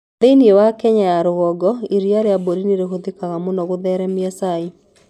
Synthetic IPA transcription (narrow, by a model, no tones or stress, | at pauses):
ðeiniewakɛɲajaɾoɣɔɡɔiɾiaɾeaboɾineɾeɦoðekaɣamonɔɣoðɛɾɛmiasae